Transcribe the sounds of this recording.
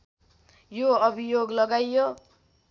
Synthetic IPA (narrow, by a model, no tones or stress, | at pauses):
joʌbʱijoɡlʌɡajjo